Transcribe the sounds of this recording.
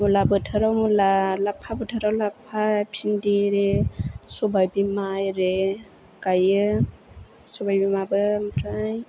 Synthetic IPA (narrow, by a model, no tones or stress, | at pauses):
mulabəʈʰəɾawmulalapʰːabəʈʰəɾawlapʰːapʰindiɾesobajbimajɾe | kajɯ | sobajbimabɯmʈʰaj